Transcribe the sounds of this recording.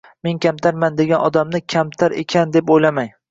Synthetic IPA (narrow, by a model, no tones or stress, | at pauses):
me̞nkʲamt̪ʰaɾmand̪eɡʲanɒd̪amnɪkʲʰamt̪ʰaɾḛkʲʰand̪epojlamaj